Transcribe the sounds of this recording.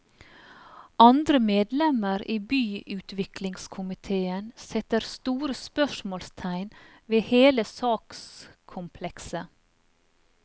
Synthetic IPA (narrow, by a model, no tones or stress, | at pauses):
ɑnd̪ɾəmeːd̪lɛməɾiːbyːʉːt̪ʰʋɪklɪŋskʰʊmɪt̪ʰeːənsɛt̪əɾst̪uːɾəspœʃmoːlst̪ʰæɪnʋeːheːləsɑːkskʰʊmpʰlɛksə